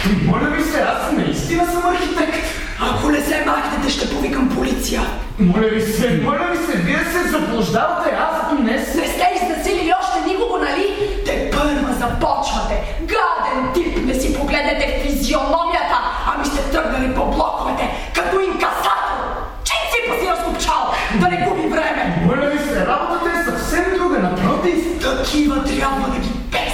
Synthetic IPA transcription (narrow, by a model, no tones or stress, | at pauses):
imɔlʲɐvisɛasnɐist̪inɐsɐmɐɾxit̪ɛkt̪ | ɐkonɛsɛmaxt̪ɛt̪ɛʃt̪ɛpovikɐmpolit̪sijə | mɔlʲɐlisɛmɔlʲɐlisɛviɛsɛzɐplˠoʒd̪avɐt̪ɛasd̪nɛsnɛst̪ɛiznɐsililiɔʃt̪ɛnikoɡonɐlit̪ɛpəɾvɐzɐpɔt͡ʃnɐt̪ɛ | ɡlad̪ɛnt̪ipnɛsipoɡlɛd̪nɛt̪ɛfizionɔmijɐt̪əɐmist̪ɛt̪əɾɡnɐlipoblˠɔkovɛt̪ɛ | kɐt̪ɔiŋkɐsat̪ɛlˠ | t͡ʃɛt̪ipɐziɾəsopt͡ʃalˠ | d̪ɐnɛɡupivɾɛmɛəɾnɐlisɛɾabvɐt̪ɛsɐfsɛmd̪ɾuɡɐnɐpɾɔt̪ift̪ɐkʰivɐt̪ɾʲjabvɐd̪ɐɡʲipɛ